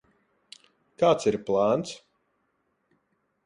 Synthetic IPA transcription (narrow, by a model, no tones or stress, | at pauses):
kaːt̪siɾplˠaːnt̪s